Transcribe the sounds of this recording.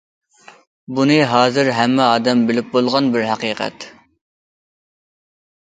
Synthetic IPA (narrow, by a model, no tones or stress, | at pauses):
bunɨɦɑːzɨɾɦɛmːɛɑːd̪ɛmbɪlɪp̚bolˠʁɑnbɪɾɦæqiːqʰɛ̰t̪